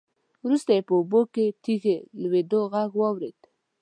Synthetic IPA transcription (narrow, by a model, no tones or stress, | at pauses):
wɾust̪ajepəuboket̪ixelwed̪oɣaɡwɑwɾed̪